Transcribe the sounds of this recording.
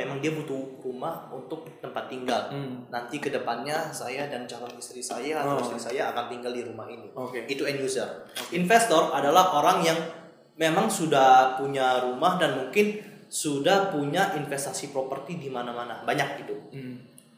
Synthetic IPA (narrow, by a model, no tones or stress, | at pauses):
memaŋdiabut̪urumahunt̪ʊk̚t̪əmpat̪ːiŋɡalnant̪ikədəpanɲasajadant͡ʃalɔnist̪ɾisajaist̪ɾisajaːkant̪iŋɡaldiɾumahiniokeɡit̪uɛnjuzərokinfɛst̪ɔradalahoɾaŋjaŋ | memaŋsudahpuɲaɾumahdanmuŋkɪnsudahpuɲaʔinfɛst̪asipɾopərt̪idimanamanabaɲak̚ɡit̪u